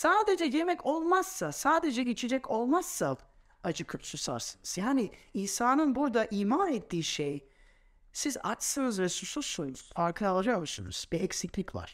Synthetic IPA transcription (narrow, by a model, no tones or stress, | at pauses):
saːd̪e̞d͡ʒɛjemɛcʰo̞lˠmasːasaːd̪e̞d͡ʒɛɟet͡ʃʰed͡ʒɛcʰo̞lˠmasːa | ad͡ʒɯkʰɯpsusa̰ɾsɯnɯz̥jaːniiːsaːnɯnbuɾd̪aʔiːmanɛt̪ʰːiːʃej | siza̰t͡ʃsɯnɯzɾesuɾsusojunuz̥faɾkʰɯalˠad͡ʒakmusunṵz̥biɛcsiclʲicva̰ɾ̥